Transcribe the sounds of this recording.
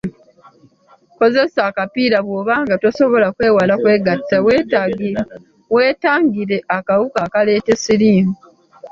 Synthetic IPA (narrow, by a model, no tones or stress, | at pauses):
ko̞ze̞saːkapiːɾaβwo̞ːβaːŋɡatoso̞βo̞lakwe̞ːwalakwe̞ːɡatːawtaɡ | we̞ːtaːŋɡiɾe̞ʔakawukakale̞ːte̞siliːmu